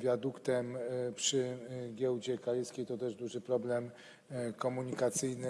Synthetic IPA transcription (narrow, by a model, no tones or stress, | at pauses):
vʲjad̪ukt̪ɛmpʂɘɡʲjɛwd͡ʑɛkaɾiskʲejt̪ɔt̪ɛʐd̪uʐɘpɾɔblɛm | kɔmuɲikat̪sɘjnɘ